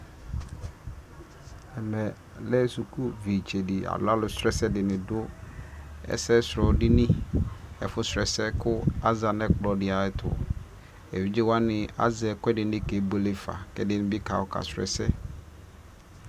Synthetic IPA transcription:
ɛ˨mɛ̃˨ | lɛ˦su˨kʰu˦vi˨t͡ʃʰe˨di˨a̰˨lʊ˦a˦lʊ˨sɾɛ˦sɛ˦dɪ˨nɪ̃˨dʊ˦ | ɛ̰˦sɛ˦sɾɔ˨dɪ˦nĩ˦ɛ̰˨fʊ˦sɾɛ˨sɛ˦kʰʊ˦a˦za˨nɛ̃˦k͡plɔ˨dɪ˨a˨ɛ˦tʰʊ̰˨ | ɛ˨wi˦d͡ʑɪ˦wa˦nɪ̃˨a̰˦zɛ˨kɛ˦dɪ˨nɪ̃˦ke˨bo˦lɪ˦fa̰˨kɛ˦dɪ˦nɪ̃˦bɪ˦kʰa˨wɔ˨kʰa̰˨sɾɛ̰˨sɛ̰˦

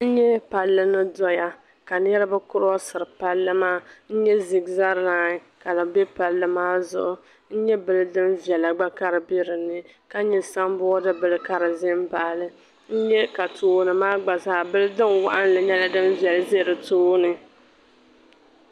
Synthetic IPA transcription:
n̩˦ɲɛ˦pa˨lːɨ˦nɨ˦dɔ˦ja˦ | ka˨nɛ˦ɾɨ˦bɨ˦kʊ˦ɾɔ˦sɨ˨ɾɨ˨pa˦lːɨ˦maː˦n̩˦ɲɛ˦zi˨ɡza˦ɾaː˨˦ | ka˨lɨ˨bɛ˦pa˨lːɨ˨maː˦zʊ̰˦ʔʊ˨ | n̩˦ɲɛ˦bɨ˦lɨ˦dɨ˦mvi˨ɛ˨la˨ɡ͡ba˦ka˦ɾɨ˨be˦ɾɨ˨nɨ˦ | ka˦ɲɛ˨sa˦mbʊ˦ɔ˦dɨ˦bɨ˨lɨ˦ka˦ɾɨ˨zɪ˦mba˨lɨ˦ | n̩˦ɲɛ˦ka˨tʰoː˦nɨ˨maː˦ɡ͡ba˨zaː˦bɨ˦lɨ˦dɨ˦nwa̰˦ʔa˦n˦lɨ˨ɲɛ˦la˦dɨ˦mvɛ˨lzɪ˦˨ɾɨ˨toː˦nɨ˨

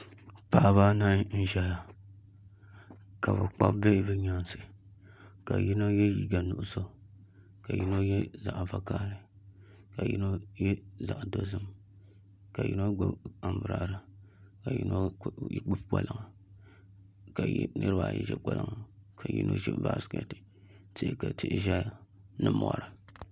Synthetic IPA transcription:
paː˦βaː˦na˦n̩˦ʒɛ˦la˨ | ka˨bɨ˨k͡pa̰˦bbɛ˦bɨ˦ɲa˦nsɨ˨ | ka̰˨ji˦no˦jɛ˦ji˦ɡa˨nu˨ʔʊ˦so˦ | ka˨ji˦no˦jɛ˦za˨ʔva˨kaː˦ɾɨ˦ | ka˨jḭ˦no˦jɛ˦za˨ʔdo˦zɨ˦m | ka˨ji˦no˦ɡ͡ba˨mbɨ˨ɾa˨ʔɾa˨ka˨jḭ˦no˦ji˦ɡ͡bu˦bk͡pa̰˦lɨ˦ŋa˨ | ka̰˨˦nɨ˦ɾɨ˦baː˨jɛ̰˦ʒɛ̰˦k͡pa˦lɨ˦ŋa˨kʰa˨jḭ˦nʔo̰˦ʒɛ̰˦m˦baː˦˨skɛ̰˨tɨ̥˨ | tɨ˦ka˨tɪ˦ʔʒa˦ | nɨ˦mɔ̰˨ɾa˨

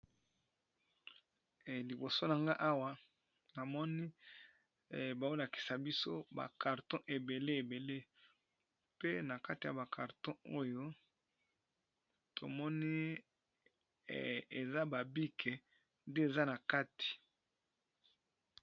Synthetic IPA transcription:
li˨bo˨so˦na˨ŋɡa˦ʔa˦wa˦ | na˨mɔ˦ni˦˨ | ba˨o˦la˨ki̥˨sa˨bi˦so˦ba̰˨ka˨ʁtɔ̃˦ʔe˨be˨le˦e˨be˨le˦ | pe˦na˨ka˦ti˨ja˨ba˨kʰa˨ʁtɔ̃˦o˦jo˦ | tʰo˨mɔ˦ni˦˨ | e˨za˦ba˨bi˦kʰe˨ | nde˦e˨za˦na˨ka˦ti̥˨

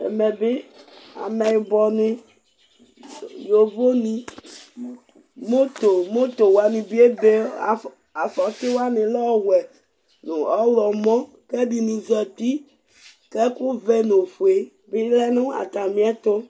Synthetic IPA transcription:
ḛ˨mɛ˨be˦a̰˨mɛ˨ji˨bɔ˨nĩ˦ | jo˨vo˦nĩ˦ | mo˦t̪o˨mo˦t̪o˨wa˨nĩ˨bi˦e˦be˦˨ | a˨fɔ˨t̪ɪ˦wa˦nɪ̃˨lɔ˦˨wɛ˨ | nũ˨ɔ˦wlɔ˨mɔ̃˦ | ke˦bi˨nũ˨zɔ˨t̪i˦ | ke˦ku˦vɛ˦nõ˨ɸu˨e˨ | be˦lɛ˦nũ˦a̰˨t̪a˨mĩ˦a˦t̪o˦

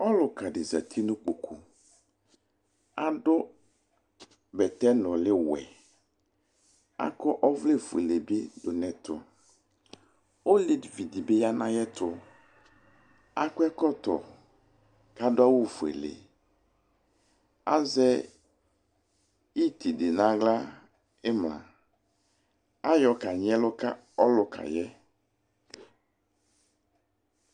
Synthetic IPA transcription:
ɔ˦lʊ˨ka˨dɪ˨za̰˨t̪ʰi˦nʊ̃˦k͡po˨kʰu˨ | a˨dʊ˦ | bɛ˨tɛ˦nɔ̃˨lɪ˦wɛ̰˨ | a̰˦kɔ˦ʔɔ˦vle˦˨fu˨ḛ˨le˨be˦dʊ˨nɛ̃˨tʰʊ̰˨ | o˦lɪ˨dvi˨di˨be˦ja˦nã˦jɛ˦t̪ʰʊ˦ | a˦kʊ˦ɛ˦kɔ˦t̪ɔ̰˨ | ka˦dʊ˦a˦wu˦fu˨ḛ˨lḛ˨ | a˦zɛ˦ | i˦t̪i˨dɪ˨nã˦ɡla˦ | e˦mlã̰˨ | a˦jɔ˨ka˨ɲ˦ɛ˦lʊ˦ka̰˦ | ɔ˦lʊ˨kʰa̰˨jɛ˦

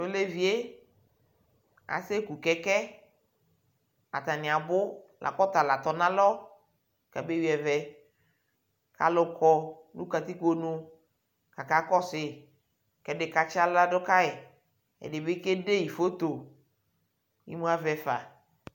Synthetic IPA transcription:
o˦le˦vi˨e˦ | a̰˨se˦ku˨kɛ˨kɛ˦ | a̰˨t̪a˨nɪ̃˨a˨bʊ˦lʔa̰˨kɔ˦t̪a˨la˨t̪ɔ˨nã˦lɔ˦ | kɛ̰˨be˦wi˦ɛ˨vɛ˨ | ka̰˨lʊ˨kɔ˨ | nũ˦ka˨t̪i˦ku˦o˦nũ˦ | ka˨ka˦kɔ˦sɪ˨ | kɛ˦dɪ˨ka˨t͡ʃɪ˦a˦la˦dʊ˦ka˦ɪ˨ | ɛ̰˨dɪ˨be˦ke˦ɖe˦ji˨fo˦t̪o˨ | ḭ˦mũ˦a˦vɛ˨fa̰˨

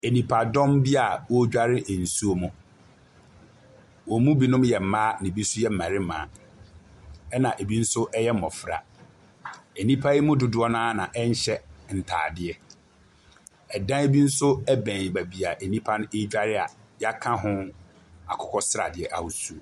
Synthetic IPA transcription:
e˨nĩ˨pʰa˨dɔ̃˦mbi˦a˨wo˦d͡ʑᶣa˦ɾɪ˦ʔn̩˨su˦o˦mʊ̃˨ | wɔ˨mũ˦bi˨nʊ̃˦mjɛ˨m̩˨mã˦nɪ̃˨bi˦sʊ˦jɛ˦m̩˨mã˨ɾɪ˦mã̰ː˨˦ | ɛ˦nã˨ʔe˨bi˦n̩˦sʊ˦ʔɛ˦jɛ˦m̩˨mɔ˨fɾa̰˨ | e˨nĩ˦pʰa˦ji˦mʊ̃˦dʊ˨dʊ˦ɔ˦nãː˦nã˨ʔɛ˦ɲ̩˦ɕɛ˦n̩˨tʰa̰ː˨dɪ˦ɛ˨ | ɛ˨dã˦e˦bi˦n̩˦sʊ˦ɛ˦bæ̃˨ɲ˨bæ˨bi˨a˨ʔe˨nĩ˦pʰa˦nʊ̃˦e˦d͡ʑᶣa˦ɾɪ˦a̰˨ja˦kʰã˦ɦʊ̃˦ | a˨kʰʊ˨kʰɔ˦sɾa̰˨dɪ˨ɛ˨ʔa˨hʊ˨su˦o˨

